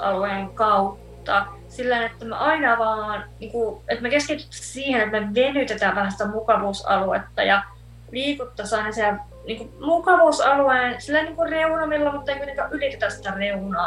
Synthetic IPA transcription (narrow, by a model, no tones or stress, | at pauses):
ɑ̰lueŋkɑut̪ːɑ | silːæinet̪ːæmæ̰ʔɑinɑʋɑːnniːŋkuet̪mækesket̪yt̪ːæ̥ssiːhenet̪meʋenyt̪et̪æʋæhænsi̥t̪æmukɑʋuːsɑ̰luḛt̪ːɑ̰jɑ | liːkut̪ːɑsɑinɑsie | niːŋkumukɑʋuːsɑlueːnsilːæiniːŋkureunɑmilːɑmut̪ːɑeiknːeŋkæʔylit̪et̪æssi̥t̪æreunɑː